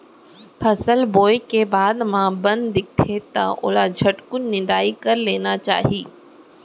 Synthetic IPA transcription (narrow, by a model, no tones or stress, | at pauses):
pʰɐsəlboːekebaːd̪mãbɐ̃nd̪ːɪk̚t̪ʰet̪ɐ̰ʔʊ̰lad͡ʒʱɐʈkʊnːɪd̪aːikɐɾleːnat͡ʃa̰ːɦiː